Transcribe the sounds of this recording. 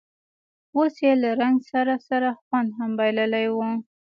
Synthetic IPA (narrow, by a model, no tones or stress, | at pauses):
osjelaɾaŋɡsaɾasaɾaxwand̪ɦambajləlajwu